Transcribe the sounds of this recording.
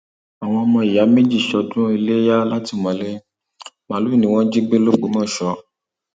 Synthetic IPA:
a˨w̃ɔ̃˧ɔ˧mɔ̃˧i˨ja˨˦mẽ˦d͡ʒi˦˨ʃɔ˧dũ˦i˧le˦ja˦la˦ti˦˧˨mɔ̃˨˦le˦ | mã˨˦lu˦i˦˨nĩ˨˦w̃ɔ̃˦d͡ʒi˦ɡ͡be˦lo˦ɡ͡bo˨˦mɔ̃˦˨ʃɔ˧

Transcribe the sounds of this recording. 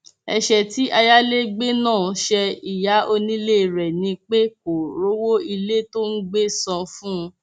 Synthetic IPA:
ɛ˧ʃɛ˧ti˨˦ʔa˧ja˦le˦ɡ͡be˦nãː˦˨˦ʃɛ˧i˨ja˨˦ʔo˧nĩ˦le˦˨ɾɛ˨nĩ˧k͡pe˦ko˨ɾo˨˦wo˦i˧le˦to˦n̩˦ɡ͡be˦sã˧fũ˦˧

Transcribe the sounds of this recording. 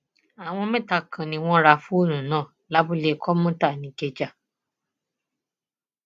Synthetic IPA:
a˨w̃ɔ̃˧mɛ̃˦˨ta˧kʰã˨nĩ˧w̃ɔ̃˦ɾa˧fũ˦o˦˨nũ˨nãː˦˨ | la˨˦bu˦le˧˨kʰɔ˦mũ˦ta˦˨nĩ˧ke˧d͡ʒa˦˨

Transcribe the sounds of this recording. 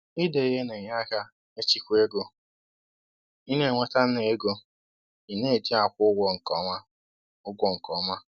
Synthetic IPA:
i˦de˨i˦ɦe˦ne˨ɲa˦ka˦ | e˦t͡ʃi˦kʷe˦ɡo˨ | i˦ne˦˨ŋʷe˦ta˦n̩˦ne˨e˦ɡo˦ | i˨ne˦e˨di˦a˨kʷʊ˦ʊ˦ɡʷɔ˨ŋ̩˨kɔ˨˦mʷa˦ | ʊ˦ɡʷɔ˨ŋ̩˨kɔ˨˦ma˦

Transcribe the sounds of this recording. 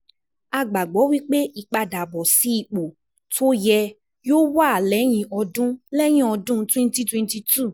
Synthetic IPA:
a˧ɡ͡ba˨ɡ͡bɔ˨˦wi˦k͡pe˦i˨˧k͡pa˧da˨bɔ˨si˨˦i˧k͡po˨ | tʰo˦jɛ˧ | joː˦wa˦˨lɛ˨˦j̃ĩ˧ʔɔ˧dũ˦lɛ˦j̃ĩ˦ɔ˧dũ˦twɛ̃˧n˦ti˦twɛ̃˧nti˧tʰu˦˨

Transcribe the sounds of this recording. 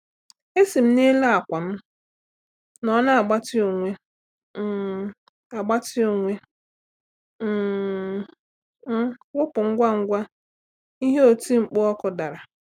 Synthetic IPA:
e˦si˨m̩˦ni˦la˦a˨kʷa˨m̩˦ | nɔ˦na˦a˨ɡ͡ba˦tɪ˦o˨ŋʷe˦ | a˨ɡ͡ba˦tɪ˦o˨ŋʷe˦ | m̩˦ɡʷʊ˦pʊ˨ŋ̩˦ɡʷa˦ŋ̩˦ɡʷa˦ | i˦ɦe˦o˨ti˦ŋ͡m̩˨k͡po˦ɔ˦kʊ˦da˨ɾa˨

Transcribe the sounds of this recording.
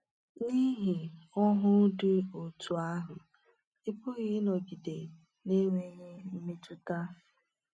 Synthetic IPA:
ni˦ɦi˨ɔ˦ɦʊ˦dɪ˦o˨tu˨a˦ɦʊ˨ | ɪ˦pʊ˦ɣɪ˦nɔ˨ɡi˨de˨ | ne˦ŋʷe˨ɲe˦m̩˦me˦tu˦ta˦

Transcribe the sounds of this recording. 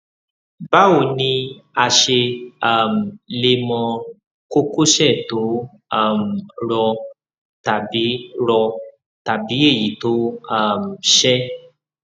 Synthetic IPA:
ba˦o˨nĩ˧a˧ʃe˧a˦˨m̩˨le˧mɔ̃˧ | ko˦ko˦ʃɛ˦˨to˨˦ | a˦˨m̩˨ɾɔ˧ | ta˨bi˨˦ɾɔ˧ | ta˨bi˨˦e˦˨ji˨˦to˨˦a˦˨m̩˨ʃɛ˦

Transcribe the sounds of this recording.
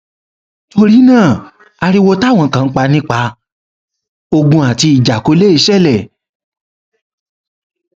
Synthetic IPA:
to˧ɾi˦nãː˦˨ | a˧ɾi˦wo˧ta˦˨w̃ɔ̃˨˦kã˨ŋ̩˦k͡pa˧nĩ˦k͡pa˧ | o˧ɡũ˧a˨ti˧i˨d͡ʒa˨ko˨˦le˦i˧˦ʃɛ˦˨lɛ˦˨

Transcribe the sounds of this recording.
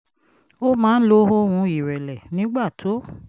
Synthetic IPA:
o˦mãː˦n̩˦lo˦ɦo˦wũ˧˦i˦˨ɾɛ˨lɛ˨nĩ˨˦ɡ͡ba˦˨tʰo˨˦

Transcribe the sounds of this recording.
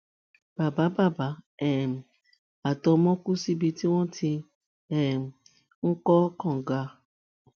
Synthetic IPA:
b̥a˨ba˨˦ba˦˨ba˨˦ɛ˨m˨ | a˨tɔ˧mɔ̃˦ku˦si˦bi˧ti˦wɔ̃˦ti˧ | ɛ˨m˨ | ŋ̩˦kɔ˦kɔ̃˨ɡa˧

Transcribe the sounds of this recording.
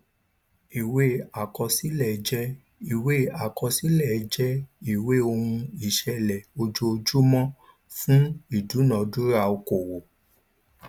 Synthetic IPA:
i˨we˦˨a˨kɔ˧si˦lɛ˨˦d͡ʒɛ˦ | i˨we˦a˨kɔ˧si˦lɛ˦˨˦d͡ʒɛ˦i˦˨we˦o˧hũ˧i˦˨ʃɛ˧lɛ˨o˧d͡ʒo˧o˧d͡ʒu˦mɔ̃˦ | fũ˦i˦˨du˨˦nã˨˦du˦ɾa˧˨o˧ko˨wo˨

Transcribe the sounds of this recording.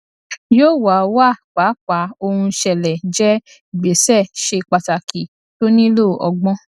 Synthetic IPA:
joː˦˨wa˨˧wa˦˨k͡pa˨˦k͡pa˨˦o˧hũ˧ʃɛ˧lɛ˨d͡ʒɛ˦˨ | ɡ͡be˨˦sɛ˦˨ʃe˧k͡pa˧ta˨ki˨ | to˦nĩ˦lo˦˨ɔ̰˧ɡ͡bɔ̃˦

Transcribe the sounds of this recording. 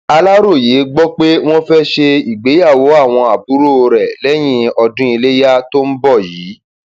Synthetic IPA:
a˧la˦ɾo˦˨je˨˦ɡ͡bɔ˦k͡pe˦w̃ɔ̃˦fɛ˦ʃe˧i˨ɡ͡be˨˦ja˦˨wo˨˦a˦˨w̃ɔ̃˧a˨bu˨˦ɾo˦o˧ɾɛ˨lɛ˦j̃ĩ˧ɔ˧dũ˦i˧le˦ja˦to˦m̩˦bɔ˦˨jiː˨˦

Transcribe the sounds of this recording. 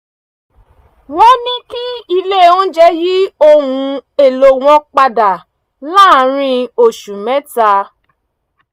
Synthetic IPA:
wɔ̃˦nĩ˦ki˦i˧le˦˨ɔ̃˦d͡ʒɛ˦ji˦o˦˨hũ˧e˨lo˧˦w̃ɔ̃˧k͡pa˧da˨ | laː˦˨˦ɾ̃ĩ˧o˨ʃu˨mɛ̃˦ta˧

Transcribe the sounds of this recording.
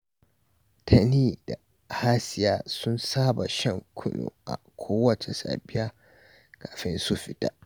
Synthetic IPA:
tʰa˨niː˦da˨ | haː˦sɪ˨jaː˦sʊ˦nsaː˦ba˨ʃɐ˦˨ŋkʷʰʊ˦no̰ː˨ʔa̰˨kʷʰoː˦wɐ˦t͡ʃe˨sa̰ː˨bɪ˦jaː˦ | kaː˨ɸɪ˦nsʊ˦ɸɪ˦ta̰˦ʔ

